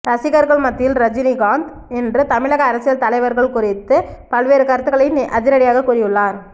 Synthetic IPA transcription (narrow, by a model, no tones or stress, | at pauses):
ɾɐsɪɣɐɾɣɐɭmɐt̪ːɪjɪlɾɐd͡ʒɪniɡaːnd̪ | ɛndrɯt̪ɐmɪɭɐɣɐːɾɐsɪjɐlt̪ɐlɐɪʋɐɾɣɐɭkʊrɪt̪ːɯpɐlʋeːɾɯkɐɾɯt̪ːɯɣɐɭɐɪnʔɐd͡ʒɪɾɐɽɪjaːɣɐkuːrɪjɯɭːaːɾ